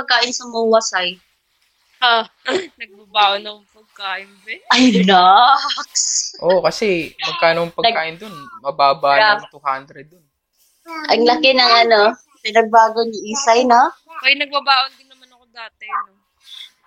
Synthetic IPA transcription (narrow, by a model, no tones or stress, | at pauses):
pɐɡ̚kaːʔɪnsɐmɐwɐsɐj | hanɐɡ̚bɐbaːʔonɐkoŋpɐɡ̚kaːʔɪnbɛʔɐjnaksʔokɐsɛmɐɡ̚kaːnoɐŋpɐɡ̪kaːʔɪnd̪onmɐbaːbaːat̪uhand̪ɾɛd̪̚ːon | ʔɐŋlɐkɪnɐŋʔɐno̞ | pɪnɐɡ̚baːɡonɪʔiːsɐjnokɐnɐɡ̚bɐbaːʔond̪ɪŋnɐmanɐkod̪aːt̪ɪno